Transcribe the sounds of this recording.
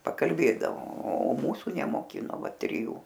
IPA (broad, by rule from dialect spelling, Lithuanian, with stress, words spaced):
pɐkɐlʲˈbʲeːdɐʋoː oː ˈmuːsʊ nʲɛmoːˈkʲɪnoː ˈʋɐ tʲrʲɪˈjuː